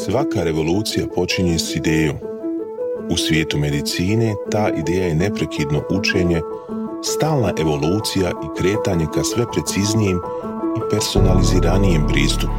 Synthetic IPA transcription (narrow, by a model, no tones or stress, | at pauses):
sʋakaɾe̞ʋo̞luːt̪sijapo̞t͡ʃiɲe̞sid̪eːjo̰ːm | usʋje̞ːt̪ume̞d̪it̪siːne̞t̪aːʔid̪e̞ːjaje̞ne̞pɾe̞kʰid̪no̞ʔut͡ʃe̞ːɲe̞ | st̪aːlˠnaʔe̞ʋo̞luːt̪sijaʔikɾe̞ːt̪aɲe̞kasʋe̞pɾe̞t̪siznijem | ipe̞ɾso̞naliziːɾanijempɾḭːst̪up